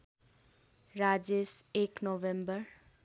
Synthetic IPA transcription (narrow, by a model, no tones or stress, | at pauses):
ɾad͡ʒeseknoʋembəɾ